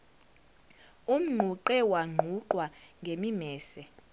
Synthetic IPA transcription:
um̩ŋ͡ǃʱuǃɛwaŋ͡ǃʱuǃwaŋɡʱemimɛːsɛ

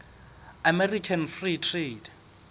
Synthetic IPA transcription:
amɛrikʰanfritʰret

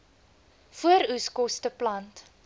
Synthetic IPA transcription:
fuəɾuskɔstəplɐnt

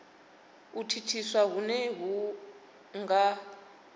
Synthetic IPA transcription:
utʰitʰiswaɦunɛɦu | ŋɡa

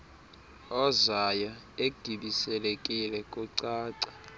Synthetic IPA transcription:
ɔzaja | eɡ̥ʱiɓisɛlekʼilɛkʼuǀaːǀḁ

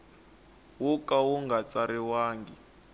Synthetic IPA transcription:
wukʼawuŋɡat͡saɾiwaːŋɡi

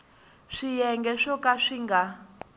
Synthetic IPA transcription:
ʂijɛŋɡɛʂɔkaʂiŋɡa

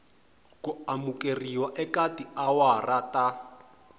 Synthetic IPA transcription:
kuamukeriwaʔɛkatiawarata

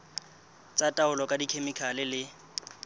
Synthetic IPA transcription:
t͡sʼatʼaʊlɔkʼadikʰemɪkʰalɪlɪ

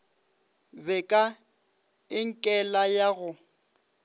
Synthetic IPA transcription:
bɛkʼa | ɪŋ̩kʼɛlajaɣʊ

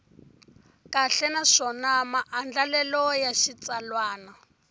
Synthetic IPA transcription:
kaɬɛnaʂɔnamaʔːnd͡ɮalɛlɔjaʃit͡salwaːna

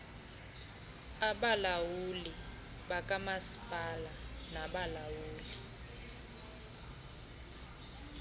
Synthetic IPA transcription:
aɓalawuli | ɓakʼamasi̥pʼala | naɓalawuːli

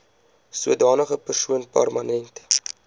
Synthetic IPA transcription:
suədɑːnəχəpərsuənpæ̰rmɐnɛnt

